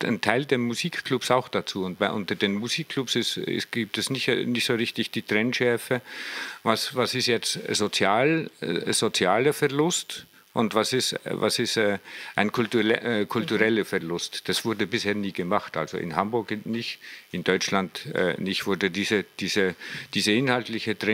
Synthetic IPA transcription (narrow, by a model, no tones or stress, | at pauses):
antʰaɪldeːɐmuziːkkʰlʊpsaʊxd̥at͡suːʊnt̚b̥aɪʔʊntɐdeːnmuziːkʰːlʊpsɪsɪ̰sɡ̥iːp̚tɛsnɪçnɪçtsoːʁɪçtɪçd̥iːtʁ̥ɛnʃɛɐfəvasvasɪstjɛt͡stz̥ot͡sjaːlzot͡sjaːləfɛɐlʊst | ʔʊntvasɪstva̰sɪstɛːʔaɪnkʰʊltːkʰʊltuʁɛləfɛɐlʊstd̥asv̥ʊɐdəbɪsheːɐniːɡəmaχta̰lzo̰ʔɪ̰nhambʊɐkɪnɪçtɪndɔʏt͡ʃlandɛ̰ːnɪçtv̥ʊɐdədiːzəd̥iːzəd̥iːzəɪnhaltlɪçətʁɛ